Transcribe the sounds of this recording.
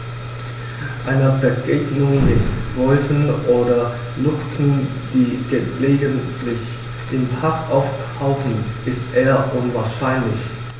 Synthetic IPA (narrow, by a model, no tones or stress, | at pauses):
ʔaɪnəbəɡeːɡnʊŋmɪtvɔlfn̩ʔoːdɐ | lʊksn̩ | d̥iːɡ̥əleːɡəntʰlɪç | d̥eːnpʰaɐkʔaʊf | aʊxn̩ʔɪstʔeːɐʔʊnvaːɐʃaɪnlɪç